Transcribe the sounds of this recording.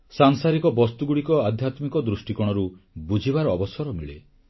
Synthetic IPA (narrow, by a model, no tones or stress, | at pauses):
saŋsaɾikɔbɔst̪uɡuɽikɔad̪ʱjat̪mikɔd̪ɾusʈikɔɽ̃ɔɾubud͡ʒʱibaɾɔːbɔsɔɾɔmiɭḛ